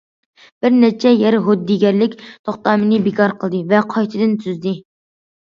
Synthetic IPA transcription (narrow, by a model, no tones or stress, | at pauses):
b̥ɪɾnɛt͡ʃʰɛjɛɾɦod̪ːiɡʲɛɾlɪkʲt̪ʰoχt̪ɑːmɨnɪbɪkʰɑɾqʰəlˠd̪ɨvɛqʰɑjt̪ʰɨd̪ɪnt̪ʰyzd̪ɪ